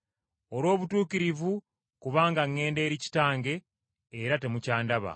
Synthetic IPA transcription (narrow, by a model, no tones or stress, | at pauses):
o̞lwo̞ːβutuːkiɾivu | kuβaːŋɡaŋːe̞ːnde̞ːɾici̥taːŋɡe̞ː | ɾate̞mucaːndaβa̰